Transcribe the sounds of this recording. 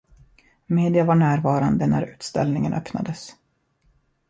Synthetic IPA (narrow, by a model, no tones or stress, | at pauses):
meːd̪ɪavaɳæːɾvɑːɾand̪ənæ̰ɾʉ̟ːt̪st̪ɛ̰lnɪŋənœpna̰d̪əs